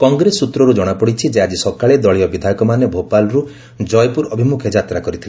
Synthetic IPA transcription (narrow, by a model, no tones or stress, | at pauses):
kɔŋɡɾesːut̪ɾɔɾud͡ʒɔɽ̃apɔɽit͡ʃʰid͡ʒead͡ʒisɔkaɭed̪ɔɭiɔbid̪ʱajɔkɔmanebʱopalɔɾu | d͡ʒɔjpuɾɔbʱimukʰjɔd͡ʒat̪ɾakɔɾit̪ʰil